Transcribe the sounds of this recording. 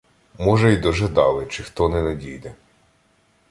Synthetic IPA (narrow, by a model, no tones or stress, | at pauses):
mɔʒɛjid̪ɔʒɛd̪ɑlˠɪt͡ʃɪxt̪ɔnɛnɐdʲijd̪ɛ